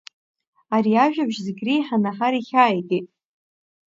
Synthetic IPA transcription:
aɾiaʒᶣabʒzeɡʲriħanaħaɾiχʲaːjtʼitʼ

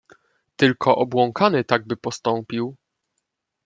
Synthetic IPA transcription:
t̪ɘlkʰɔʔɔbwɔŋkʰanɘt̪aɡ̚bɘpɔst̪ɔ̃mpʲiw

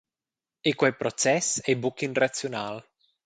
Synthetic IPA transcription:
ekwɛpɾot͡ʃɛsɛbukːinrat̪sːjonaːl

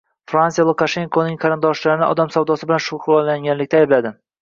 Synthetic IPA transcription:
fɾansijalˠukaʃe̞ŋkʰonɪŋqʰɑɾɪnd̪ɒʃlaɾɪnɪʔɒ̰d̪amsawd̪ɒsɪbɪlanʃʊχɾɒlːaŋɡʲanlɪkʲt̪aːjblad̪ɪ

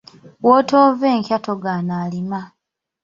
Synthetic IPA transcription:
woːtoːveːŋcatoɡanaːlima

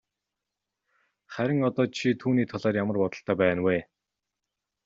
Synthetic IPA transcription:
χæɾʲɪ̆ŋɔt̪ɔːt͡ɕʰit̪ʰuːniːt̪ʰɔɮaːrjamə̆rpɔt̪ɞ̆ɬt̪œːpæːnweː

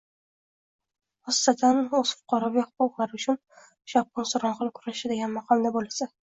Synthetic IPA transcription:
hɒst̪at̪ʰanɵz̥fʊ̥qʰɒɾɒvihʊqʊqlˠaɾʊt͡ʃʰʊn | ʃɒp̚ːʊnsʊɾɒnχɨlˠkʰʊɾaʃɪd̪eɡʲanmaqʰɒlˠnabolasa

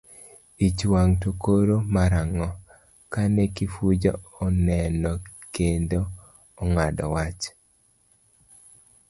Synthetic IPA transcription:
it͡ʃwaŋtokoɾomaɾaŋɔ | kanɛkifud͡ʒɔɔnɛnɔkendoː | ŋadɔ̰wat͡ʃ

